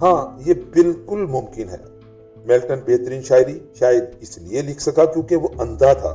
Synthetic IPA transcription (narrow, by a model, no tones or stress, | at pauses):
ɦãːjebɪlkʊlmʊmkɪnɦɛ̰ː | mɛlʈənpeːt̪ɾiːnʃaːɾiʃaːjəd̪̚ɪslielɪkʰsɐkakjõːkeʋoʔɐ̃nd̪at̪ʰa̰ː